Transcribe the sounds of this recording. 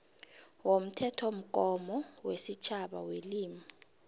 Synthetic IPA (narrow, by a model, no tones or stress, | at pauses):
wom̩tʰɛtʰom̩k̬ʼɔmɔwesit͡ʃʰaɓa̰weliːma